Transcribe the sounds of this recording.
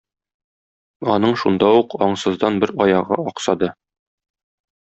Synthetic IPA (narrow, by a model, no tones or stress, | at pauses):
ɒnɤɴʃund̪ɑuqɒɴsɤ̆zd̪ɑnbɘɾɒjɑʁɤ̰ɒqsɑd̪ɤ